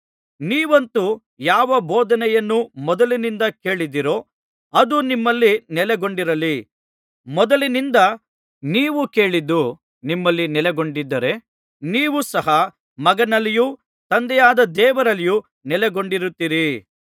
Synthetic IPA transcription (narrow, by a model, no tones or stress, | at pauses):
niːʋɐnt̪u | jaːʋɐboːd̪ɐnɛjɐnːumɔd̪ɐlinind̪ɐke̞ːɭid̪iɾo̞ː | ɐd̪unimːɐlːinɛlɛɡo̞ɳɖiɾɐli | mɔd̪ɐlinind̪ɐ | niːʋuke̞ːɭid̪ːu | nimːɐlːinɛlɛɡo̞ɳɖid̪ːɐɾe̞ | niːʋusɐɦɐ | mɐɡɐnɐliju | t̪ɐnd̪ɛjaːd̪ɐd̪ɛːʋɐɾɐliju | nɛlɛɡo̞ɳɖiɾut̪ːiɾi